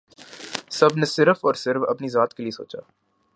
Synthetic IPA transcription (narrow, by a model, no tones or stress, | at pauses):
sɐbʱnesɪɾfɔːɾsɪɾfɐ̰pnizaːt̪kelieso̰ːt͡ʃa̰ː